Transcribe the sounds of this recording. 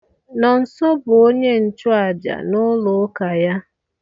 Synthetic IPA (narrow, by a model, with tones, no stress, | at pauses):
nɔ˨n̩˨sɔ˦bʊ˨o˦ɲe˦n̩˨t͡ʃʊ˦a˨d͡ʒa̰˨nʊ˦lʊ˨˦ka˨ja˦